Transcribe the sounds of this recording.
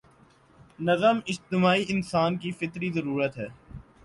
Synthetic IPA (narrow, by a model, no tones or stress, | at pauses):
nɐzəmɪd͡ʒt̪ɪmaːiʔɪnsaːnkifɪt̪ɾizəɾuːɾət̪ɦɛː